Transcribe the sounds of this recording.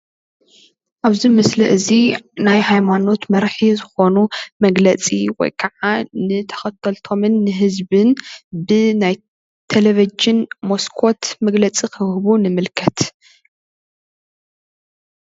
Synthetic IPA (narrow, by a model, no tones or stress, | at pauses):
ʔaβzimɨsliʔɨzinajhajmano̞t̪mɐɾħizɨxo̞numɐɡlɐt͡sʼiwɔ̰jkʰɐʕanɨt̪ʰɐ̥xɐt̪ʰɐlt̪ʰo̞mɨnːɨɦɨzbɨnbɨnaj | t̪ʰelevid͡ʒɪnmo̞skʰo̞t̪mɐɡlɐt͡sʼikʰɨhhβunɨmɨlkʰɐt̪